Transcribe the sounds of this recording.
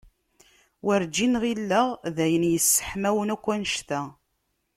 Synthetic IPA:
wæɾd͡ʒinʁilːəʁðæjənjəsːə̥ħmæwənækʷːænʃt̪æ

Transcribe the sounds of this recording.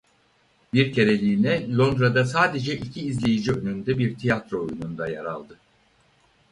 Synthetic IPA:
biɾcʰe̞ɾe̞lʲiːnɛlʲˠo̞nd̪ɾad̪asaːd̪e̞d͡ʒɛʔicʰiːzlʲejid͡ʒiønynd̪ɛbiɾt̪ʰijat̪ɾoojunund̪aja̰ɾa̰lˠd̪ɯ

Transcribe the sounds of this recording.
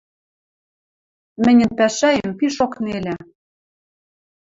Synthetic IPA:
mɘ̆nʲɘ̆npæʃæjəmpiʃoknelʲæ

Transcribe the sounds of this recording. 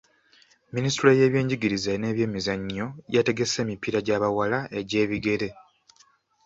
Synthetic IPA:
ministuɾoje̞ːβje̞ːɲɟiɡiɾizane̞ːβje̞ːmizaɲːo̞jate̞ɡe̞se̞ːmipiɾaɟaːβawalaʔe̞ɟe̞ːβiɡe̞ɾe̞

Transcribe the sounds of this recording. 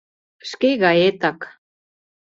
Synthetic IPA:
əʃkeɣɑjet̪ɑk

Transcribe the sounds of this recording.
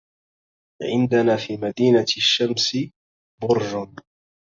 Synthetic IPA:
ʕɪnd̪anaːfiːmad̪iːnaʃːamsɪ | bʊɾʒʊn

